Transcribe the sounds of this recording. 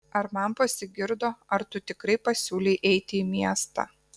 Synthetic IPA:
ɐɾmɐnpɐsʲɪɡʲɪɾd̪oːɐɾt̪ʊt̪ʲɪkɾɐɪpɐsʲuːlʲɛɪʔɛɪt̪ʲɪiːmʲiɛst̪ɑ̰

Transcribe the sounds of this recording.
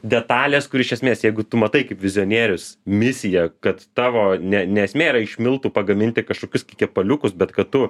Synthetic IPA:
d̪ʲɛt̪ɑːlʲeːskʊɾɪʃʲɛsʲmʲeːsjɛɪɡʊt̪ʊmɐt̪ɐɪkɐɪpʋʲɪzʲɪoːnʲeːɾʲʊsmʲɪsʲɪjɛkɐt̪t̪ɑːʋoːnʲɛnʲɛɛsʲmʲeːiɾɐɪʃʲmʲɪlˠt̪uːpɐɡɐmʲɪnʲt̪ʲɪkɐʃkoːkʲʊskʲikʲɛpɐlʲʊkʊsbʲɛt̪kɐt̪tʊ

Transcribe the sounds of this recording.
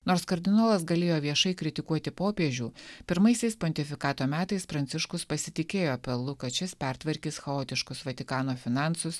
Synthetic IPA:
noːɾskɐɾʲd̪ʲɪnoːlˠɐsɡɐlʲeːjoːʋʲiɛʃɐɪkɾʲɪt̪ʲɪkuɔt̪ʲɪpoːpʲeɛʒʲuːpʲɪɾmɐɪsʲɛɪspɔnʲt̪ʲɪfʲɪkɑːt̪oːmʲæːt̪ɐɪspɾɐnt̪sʲɪʃkʊspɐsʲɪt̪ʲɪkʲeːjoːɐpʲɛlˠʊkɐt͡ʃʲɪspʲæɾt̪ʋɐɾʲkʲiːsxɐoːt̪ʲɪʃkʊsʋɐt̪ʲɪkɑːnoːfʲɪnɑnsʊs

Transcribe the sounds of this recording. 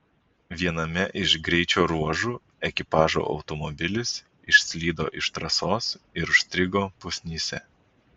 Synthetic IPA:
ʋʲiɛnɐmʲɛʔɪʃɡɾʲɛɪt͡ʃʲoːɾuɔʒuː | ɛkʲɪpɑːʒo̰ːʔɒ̰ʊt̪ɔmɔbʲɪlʲɪs | ɪʃʲsʲlʲiːd̪o̰ːʔɪʃt̪ɾɐsoːsɪɾʊʃsʲt̪ʲɾʲɪɡoːpʊsʲnʲiːsʲɛ̰

